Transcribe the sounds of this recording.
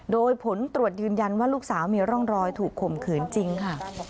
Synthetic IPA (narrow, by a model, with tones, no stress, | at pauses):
doː˧jpʰo˩˦nt̪ɾu˨˩ət̪̚jɯː˧nja˧nwaː˥˩luː˥˩k̚saː˩˦wmiː˧ɾɔ˥˩ŋɾɔː˧jt̪ʰuː˨˩kʰːo˨˩mkʰɯː˨˩˦nt͡ɕi˧ŋkʰa˥˩